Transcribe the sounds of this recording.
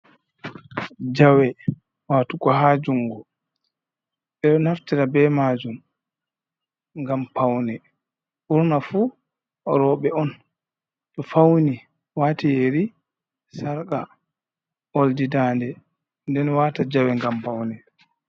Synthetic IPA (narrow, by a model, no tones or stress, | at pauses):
d͡ʒawɛ | waːtukɔɦad͡ʒuŋːɡɔ | ɓɛɗɔnaftiɾabɛmaːd͡ʒum | ŋɡampawnɛ | ʔuɾnafu | ɾɔɓɛɔn | tɔfawni | waːtijeɾi | saɾka | oldidaːndɛ | ndɛnwaːtad͡ʒawɛŋɡampawnɛ